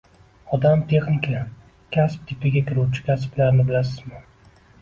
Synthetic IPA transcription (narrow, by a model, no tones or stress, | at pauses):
ɒd̪amt̪ʰe̞χnɪkʰʲa | kʲʰasp̚t̪ʰɪpɪɡʲakʲʰɪɾuwt͡ʃʰɪ̥kʲʰasblaɾnɪbɪlasɪzmɪ